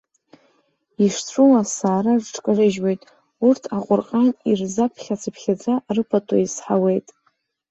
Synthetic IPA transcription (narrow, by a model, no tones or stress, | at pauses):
iʂt͡sʷʰuwasaːɾaʐʈ͡ʂʰʼkʼɨrɨʒwejtʼ | urtʰaqʷʼʊrqʼanirzapʰχʲat͡sʰɨpʰχʲad͡zʼarɨpʰatʰʼa̰isħawe̞jtʼ